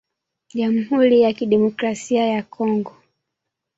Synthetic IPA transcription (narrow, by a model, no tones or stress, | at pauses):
ʄam̩huɾijakiɗɛmɔkɾasiajakʰɔŋɡɔ